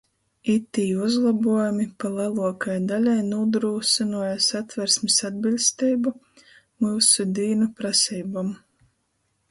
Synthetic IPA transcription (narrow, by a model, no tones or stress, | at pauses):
it̪ːiːuzlˠabuɔjumipalˠalˠuɔkajd̪alʲajnuːd̪ɾuːsinuɔjasat̪vʲɛɾsmisad̪̚bilʲst̪ɛjbu | muːsud̪iːnupɾasiːbam